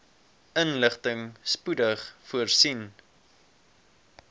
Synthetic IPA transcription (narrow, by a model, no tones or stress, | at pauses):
ənləχtəŋspudəχfuərsin